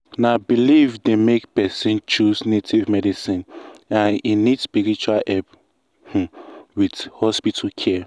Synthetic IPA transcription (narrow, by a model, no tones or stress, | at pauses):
nabilivdemekpɛsĩnt͡ʃuznetʰivmɛdisĩnãninidspiɹit͡ʃualʔɛp | h̩widhɔspitʰakʰɛ